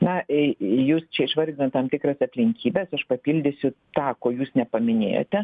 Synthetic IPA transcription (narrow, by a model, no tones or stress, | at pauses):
nɐjuːst͡ʃʲɛɪʃʋɐɾʲd̪ʲɪnoːtt̪ɐmt̪ʲɪkrɐsɐpʲlʲɪŋʲkʲiːbʲesɐʃpɐpʲilʲd̪ʲesʲʊt̪ɑːkoːjuːsnʲɛpɐmʲɪnʲḛːjo̰ːt̪ʲɛ